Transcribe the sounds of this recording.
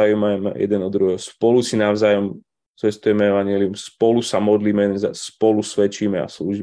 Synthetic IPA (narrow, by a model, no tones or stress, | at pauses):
ajumamɛjɛ̰d̪ɛnɔd̪ɾuɦɛɦɔspɔlusinaʊzaːjɔm | t͡sɛst̪ujɛmɛɛʋaɲɪɛliumspɔlusamɔd̪liːmɛɛɛnzaspɔlusʋɛt͡ʃiːmɛa̰sluːʒiː